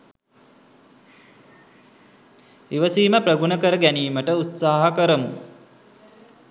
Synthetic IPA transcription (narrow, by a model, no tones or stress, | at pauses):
iʋəsiːməprəɡunəkəɾəɡæniːməʈəut̪saːɦəkəɾəmu